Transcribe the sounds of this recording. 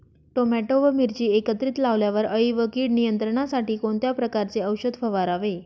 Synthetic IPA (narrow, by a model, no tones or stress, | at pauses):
ʈomæʈoʋəmiɾt͡ɕiːekət̪ɾiːt̪laʋljaʋəɾəiʋəkiːɽnijənt̪ɾəɳ̃asaʈiːkoɳt̪japɾəkaɾt͡seəwɕəd̪ʱfəʋaɾaʋe